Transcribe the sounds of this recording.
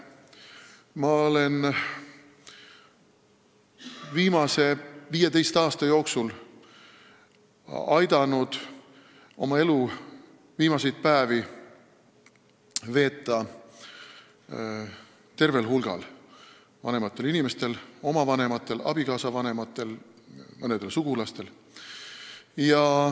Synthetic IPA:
mɑo̞le̞n | viːmɑse̞viːje̞d̪e̞jst̪ɑːst̪ɑjo̞ːksul | ɑjd̪ɑnud̪̥ | o̞mɑe̞lu | viːmɑse̞jt̪̚pæːvi | ve̞ːt̪ˑːɑ | t̪e̞rve̞lɦulɡ̥ɑ̰l | vɑ̰ne̞mɑt̪ːˑe̞linime̞st̪e̞lo̞mɑvɑne̞mɑt̪ˑːe̞lʔɑ̰b̥ikɑːsɑvɑne̞mɑt̪ːˑe̞lmɤned̪elsuɡ̥ulɑst̪e̞l | jɑ

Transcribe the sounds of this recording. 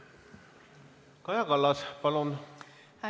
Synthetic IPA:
kɑjɑkɑlːɑspɑlon | hæ

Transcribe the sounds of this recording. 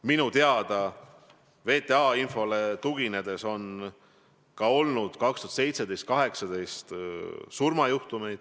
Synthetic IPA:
minut̪eɑd̪̥ɑ | ve̞ːt̪e̞ɑinfo̞le̞t̪uɡ̥ine̞d̪̥e̞so̞n | kɑo̞lnud̪̥kɑkst̪uɑ̥t̪se̞jt̪se̞d̪̥e̞jst̪̚kɑɦe̞ksɑd̪e̞jst̪surmɑjuht̪ume̞jd̪̥

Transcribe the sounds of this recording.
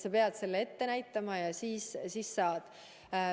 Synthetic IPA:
sɑpe̞ɑd̪̥se̞lːee̞t̪ːe̞næjt̪ːˑɑmɑjɑsiːssiːsːɑːd̪̥

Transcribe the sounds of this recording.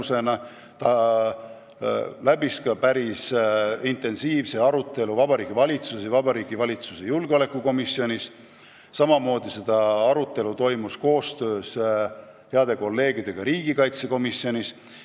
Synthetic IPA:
se̞nɑ | t̪ɑ | læbiskɑpæɾisint̪e̞nsiːvse̞ɑɾut̪ːˑe̞luvɑbɑɾiːɡ̥ivɑlʲit̪susivɑbɑɾiːɡivɑlʲit̪susejulɡ̥eo̞le̞kːˑuko̞misjo̞nʲis | sɑmɑmo̞ːd̪̥ise̞d̪̥ɑɑɾut̪ːˑe̞lut̪o̞jmusko̞ːst̪ø̞ːs | heɑd̪̥e̞ko̞lːe̞ːɡid̪̥e̞ɡ̥ɑɾiːɡ̥ikɑjt̪se̞ko̞misio̞nʲis

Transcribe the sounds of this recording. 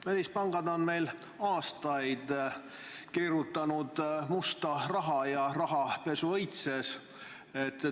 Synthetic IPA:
mælːispɑŋɡ̥ɑd̪o̞nme̞jlɑːst̪ɑjd̪̥ | keːɾut̪ːˑɑnud̪̥must̪ɑrɑɦɑjɑrɑɦɑpe̞suɤjt̪se̞s | et̪ːˑ

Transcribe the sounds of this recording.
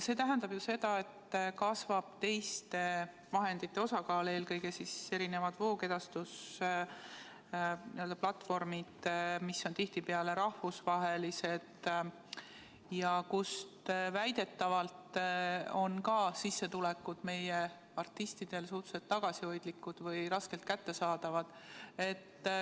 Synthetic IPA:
se̞t̪æɦænd̪ɑb̥juse̞d̪̥ɑe̞t̪ːkɑsvɑb̥̚t̪e̞jst̪e̞ | vɑɦe̞nd̪̥it̪ːe̞osɑkɑːle̞ːlkɤjɡ̥e̞sise̞ɾine̞vɑd̪̥vo̞ːke̞d̪ɑst̪us | nḭø̞ld̪ɑplɑt̪ːˑfo̞rmid̪̥misːo̞nt̪iht̪ipeɑle̞ɾɑhvusvɑɦe̞lise̞d̪̥ | jɑkust̪væjd̪̥e̞t̪ːɑvɑlt̪ | o̞nkɑsisːet̪ulɛkːˑud̪̥me̞je | ɑrt̪ːˑist̪id̪̥e̞lsuht̪u̥set̪ːɑɡ̥ɑsio̞jd̪̥likːud̪̥vɤjɾɑske̞lt̪̚kæt̪ːe̞sɑːd̪̥ɑvɑd̪̥ | e̞t̪ː

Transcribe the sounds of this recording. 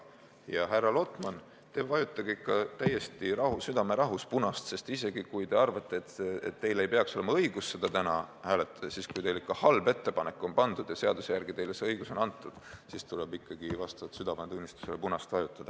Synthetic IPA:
jɑɦærːɑlo̞t̪ˑmɑn | t̪e̞vɑjut̪ˑːɑɡ̥eikːɑt̪æjːe̞st̪iɾɑɦusyd̪̥ɑme̞ɾɑɦuspunɑst̪se̞st̪ise̞ɡ̥ikujt̪e̞ɑrvɑt̪ːˑe̞ːt̪et̪ːe̞jlejpe̞ɑkso̞le̞mɑɤiɡ̥usːe̞d̪ɑt̪ænɑhæːlet̪ːˑɑ̥d̪̥ɑsiskujt̪e̞jlikːˑɑhɑlbe̞t̪ːe̞pɑnekːˑo̞npɑnd̪̥ud̪̥jɑse̞ɑd̪usejærɡ̥it̪e̞jlesɤjɡ̥uso̞nɑnt̪ːˑud̪̥sist̪ulebikːˑɑɡ̥ivɑst̪ɑvɑt̪syd̪ɑvɑnt̪unʲːist̪u̥selepunɑst̪vɑjut̪ːˑɑd̪̥ɑ

